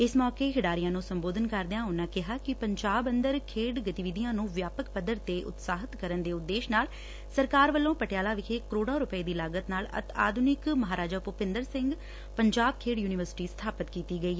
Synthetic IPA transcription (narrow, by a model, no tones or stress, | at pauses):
ɪsmɔːkeːɦɪɖaːɾijãːnũːsəmboːd̪ʱənkəɾd̪ejãːʊnːãːkɪɦaːkɪpəɲd͡ʒaːbənd̪əɾkʰeːɖɡət̪iʋɪd̪ijãːnũːʋjaːpəkpəd̪əɾt̪eːʔʊ̰t̪saːɦət̪kəɾənd̪eːʊt̪ːeːʃnaːl | səɾkaːɾʋəlːõːpəʈjaːlaːʋɪkʰeːkəɾoːɽaːɾʊpəeːd̪iːlaːɡət̪naːlə̰t̪a̰ːd̪ʱʊnɪkməɦaːɾaːd͡ʒaːpʊpɪ̃nd̪əɾsɪ̃ŋɡ | pəɲd͡ʒaːb̚kʰeːɖjuːnɪʋəɾsɪ̥ʈiːst̪ʰaːpət̪kiːt̪iːɡəiːɦɛ